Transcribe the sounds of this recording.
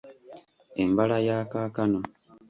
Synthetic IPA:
embalajaːkaːkano

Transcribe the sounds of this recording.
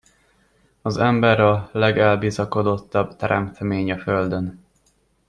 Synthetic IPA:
ɒzɛmbɛɾɒlɛɡɛlbiːzɒko̞d̪o̞t̪ːɒbt̪ɛɾɛmt̪ʰɛmeːɲɒføld̪øn

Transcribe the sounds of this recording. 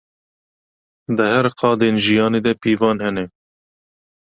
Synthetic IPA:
d̪ɨhɛɾqʰɑːd̪eːnʒijɑːneːd̪ɛpiːvɑːnhɛnɛ

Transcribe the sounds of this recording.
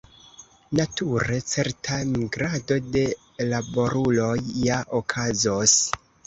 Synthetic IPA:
natʰuɾe̞t͡se̞ɾtamiɡɾado̞de̞ | labo̞ɾulo̞jːaʔokʰazos

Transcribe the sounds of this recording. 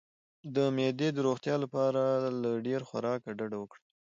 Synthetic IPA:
d̪əmed̪ed̪əɾoxt̪jɑlapɑɾalaɖeɾxwa̰ɾɑkaɖaɖawəkɽ

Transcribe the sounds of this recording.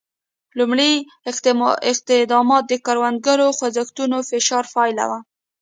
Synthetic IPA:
lumɽi | ɪq̚t̪ɪd̪ɑmɑt̪̚d̪əkaɾwand̪̚ɡaɾoxwazaxt̪unofɪʃɑɾfɑɪla̰wa

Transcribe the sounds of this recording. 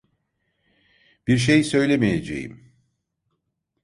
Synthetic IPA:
b̥iɾʃ̬ejsø̞jlʲe̞mijed͡ʒḛjḭm

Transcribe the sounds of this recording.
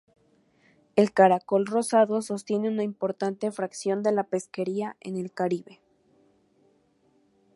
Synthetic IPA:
e̞lkaɾako̞lro̞saðo̞so̞st̪je̞ne̞unaimpo̞ɾt̪ant̪e̞fɾaksjo̞nd̪e̞lape̞ske̞ɾiaʔe̞̰ne̞lkaɾiβe̞

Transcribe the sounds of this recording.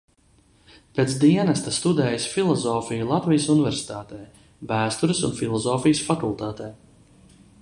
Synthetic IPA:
peːt̪sd̪iɛnɛst̪ast̪ud̪ɛːjsfilˠɔzɔːfijulˠat̪vijəsunivɛɾsi̥t̪aːt̪ɛː | bæːst̪uɾɪsunfilˠɔzɔːfijəsfakulˠt̪aːt̪ɛː

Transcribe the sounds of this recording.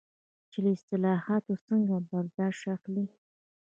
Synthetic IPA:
t͡ʃeləɪst̪ɪlɑhɑt̪ot͡səŋɡabaɾd̪ɑʃaxli

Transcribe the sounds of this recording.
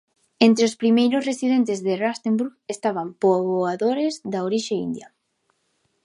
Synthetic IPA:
ent̪ɾeospɾimejɾʊsresiðent̪ɪzðerast̪embuɾɣest̪aβampoβoaðoɾɪzðaoɾiʃeḭnd̪jɐ

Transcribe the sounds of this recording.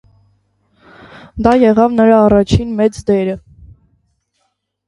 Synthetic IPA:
d̪ɑjɛʁɑvnəɾɑːrɑt͡ʃʰinmɛt͡sd̪ɛɾə

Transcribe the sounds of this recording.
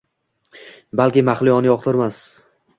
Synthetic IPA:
balˠkʲɪmaχlɪjɒnɪjɒq̚t̪ʰɪɾmas

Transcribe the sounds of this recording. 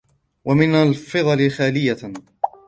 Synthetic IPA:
wamɪnalfɨðˤɑlɪxaːlɪjːa

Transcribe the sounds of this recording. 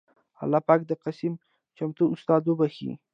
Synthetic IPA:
a̰lɑpɑk̚d̪əqasim | t͡ʃamt̪uʊst̪ɑd̪obaxḭ

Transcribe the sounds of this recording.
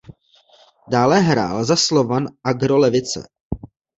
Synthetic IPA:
daːlɛɦɾa̰ːlzaslovanʔaɡɾolɛvɪt͡sɛ̰

